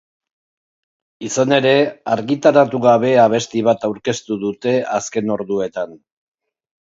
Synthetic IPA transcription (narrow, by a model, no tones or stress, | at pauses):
isane̞ɾe̞aɾɣit̪aɾat̪uɣaβe̞aβ̞e̞st̪iβ̞at̪awɾke̞st̪uðut̪e̞aske̞no̞ɾðue̞t̪an